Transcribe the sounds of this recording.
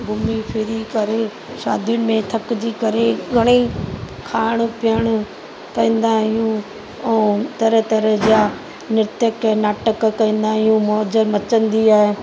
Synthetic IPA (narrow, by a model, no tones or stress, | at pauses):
bʱʊmipʰɪɾikɐɾe | ʃa̰ːd̪ʱijʊñɪ̆mẽt̪ʰɐkd͡ʑiːkɐɾeɡʱɐɽ̃i | kʰaːɽ̃pɪjəɽ̃ʊ | kɐĩːn̆d̪aɦijũ | ɛːt̪ɐɾət̪ɐɾəd͡ʑaː | nɪɾt̪jəknaːʈəkkːɐĩːn̆d̪aːɦijũmɔd͡ʑəmɐt͡ɕə̃nd̪iaːɦeː